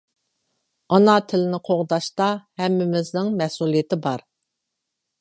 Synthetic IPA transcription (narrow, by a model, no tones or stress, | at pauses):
ɑnɑt̪ʰɪlɪnɪqʰoʁd̪ɑʃt̪ɑhɛmːɪmɪznɪŋmɛsulˠijɪt̪ɪbɑɾ